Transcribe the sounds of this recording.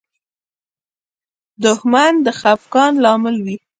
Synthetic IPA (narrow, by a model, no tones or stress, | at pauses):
d̪ʊhmand̪əxafkɑnlɑmɪlwi